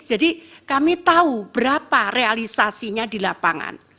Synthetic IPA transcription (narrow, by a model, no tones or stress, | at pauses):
d͡ʒ̥adikamit̪aub̥əɾaparealisasiɲadilapaŋa̰n